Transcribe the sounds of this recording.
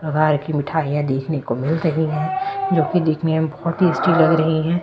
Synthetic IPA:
pɾɐkaːɾkimɪʈʰaːijãd̪eːkʰnekomɪlɾɐɦiɦɛ̃ːd͡ʒoːkid̪eːkʰnejãbɔɦɔt̪ɦiɪsʈilɐɡɾɐɦiɦɛ̃ː

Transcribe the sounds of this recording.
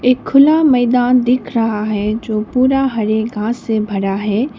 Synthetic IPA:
ɪkʰːʊlamɐːd̪aːnd̪ɪkʰɾɐɦaɦɛd͡ʑoːpuːɾaɦɐɾeɡʱãːsːẽbʱɐɽaɦɛː

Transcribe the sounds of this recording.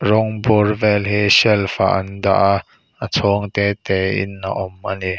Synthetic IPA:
rɔŋburvɛlɦisɛlfa̰ʔɐ̰nda̰ʔ | ʔət͡sʰɔŋt̪ɛːt̪ɛːʔɪ̰na̰ʔɔmʔani

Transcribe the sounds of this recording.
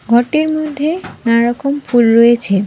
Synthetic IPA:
ɡʱɔʈiɾmod̪ʱːenaɾɔkɔmpʰulɾojet͡ɕʰe

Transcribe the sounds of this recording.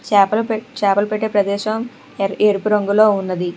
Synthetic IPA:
t͡ʃɛːpɐlpt͡ʃaːpɐlɐpeʈːeːpɾɐd̪ɛːʃɐm | eːɾupuɾɐŋɡulo̞ːunːɐd̪i

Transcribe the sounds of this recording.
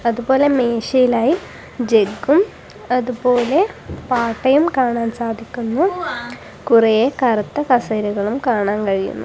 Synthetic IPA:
ɐðubo̞ːle̞meːɕɐjilaːji | d͡ʑe̞ɡːum | ɐðubo̞ːle̞paːʈːɐjumkaːɳaːnsaːd̪ʱikʲːunːu | kurɐjekɐɾɐt̪ːɐkɐsɐɾuɣɐɭumkaːɳaːnkɐɻijṵnːṵ

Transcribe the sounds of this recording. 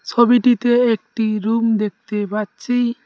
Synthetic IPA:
t͡ʃʰobiʈit̪eek̚ʈiɾumd̪ek̚t̪ebat̪t͡ʃi

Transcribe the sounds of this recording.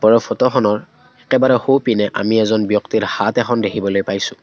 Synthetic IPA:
bɔɹɔpʰɔtɔxɔnɔɹ | ɛkɛbaɹɛxowpinɛʔa̰miɛzɔnbjɔktiɹhatɛxʰɔndekʰibɔlojpajsʊ̃

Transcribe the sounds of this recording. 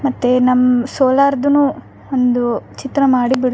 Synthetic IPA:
mɐt̪ːenɐmːɐsoːlaːɾd̪unu | ond̪ut͡ʃit̪ɾɐmaːɽibiɽ

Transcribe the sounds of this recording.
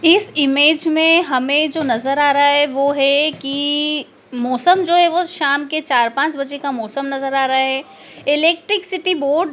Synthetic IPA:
ɪsɪmeːd͡ʒmẽɦɐmẽd͡ʒoːnɐzəɾaːɾaɦɛʋoːɦɛki | mɔːsəmd͡ʒoːɦɛʋoʃaːmket͡ʃaːɾpãːt͡ʃbɐd͡ʒekamɔːsəmnɐzəɾaːɾɐaɦɛː | ɪleːk̚ʈɾɪksɪʈiboːɾɖ

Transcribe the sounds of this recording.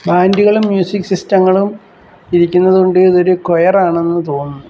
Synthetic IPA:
baːndiɣɐɭumːjuːsikːsistɐŋːɐɭum | iɾikʲːunːɐðuoɳɖɨiðo̞ɾukojɐraːɳe̞nːɨt̪o̞ːnːu

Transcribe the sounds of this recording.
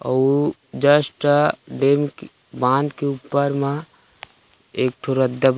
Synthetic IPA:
ɔ̰u | d͡ʒəsʈɖemk | bãnd̪keupːəɾme | ek̚ʈʰoɾəd̪ʱːəb

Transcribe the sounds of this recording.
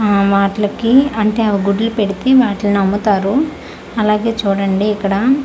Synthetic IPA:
ʋaːʈlɐkiɐɳʈe̞ːɐʋɐɡuɽlupe̞ɽit̪eʋaːʈlɐnɐmːut̪aːɾu | ɐlaːɡe̞ːt͡ʃuːɽɐɳɖiːkːɐɽɐ

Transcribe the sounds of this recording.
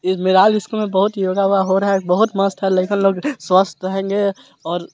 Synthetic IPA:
ɪmɪɾaːlɪskomẽbɐɦʊt̪joːɡaɦuaɦoɾɐɦɛbɐɦʊt̪məst̪ɦɛleɪkɪnloːɡswəst̪ɾɐɦẽːŋɡe | ɔːɾ

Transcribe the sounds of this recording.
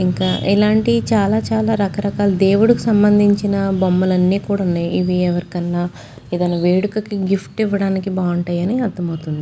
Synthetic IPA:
iŋkaːʔilaːɳʈit͡ʃaːlaːt͡ʃaːlaːɾɐkɐɾɐkaːlud̪e̞ːwuɽukusɐmbɐnd̪ʱiɲt͡ʃinɐbomːɐlɐnːiːkuːɽaunːaːjiʋiɛʋɐɾikɐnlaː | id̪ɐnɐʋeːɽukɐkiɡifʈiʋːɐɽaːnikibaːuɳʈɐjɐniːɐd̪ɐmɐwt̪und̪i

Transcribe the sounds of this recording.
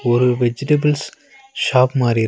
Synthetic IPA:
ɔɾɯʋɛd͡ʒɪʈɐbɐls | ʃaːpmaːɾɪ

